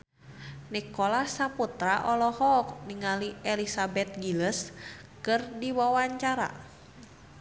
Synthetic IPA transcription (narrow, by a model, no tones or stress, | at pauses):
nikɔlasaput̪ɾaʔɔlɔhɔk̚niŋaliɛlisabɛt̪̚ɡiləskɨrdiwawaɲt͡ʃaɾa̰